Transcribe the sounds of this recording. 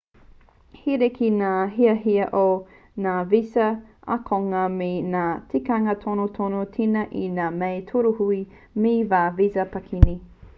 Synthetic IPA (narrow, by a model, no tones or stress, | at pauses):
hiɾekʰinaːɦiɐɦiɐʔo | naːvisɐɐ̰kʰoŋɐmenaːtʰikɐŋɐtʰonotʰonotʰinɐʔinaːmejtʰuɾuhui | mivaːvisɐpɐkʰini